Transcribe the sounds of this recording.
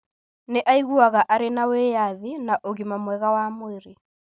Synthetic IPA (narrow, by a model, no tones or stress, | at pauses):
neʔaiɣuaɣaʔaɾenawejaðinaʔoɣimamwɛɣawamoeɾe